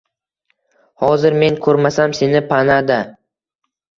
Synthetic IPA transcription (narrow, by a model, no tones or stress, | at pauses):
hɒzɪɾme̞ŋkʰɵɾmasamse̞nɪpʰanad̪a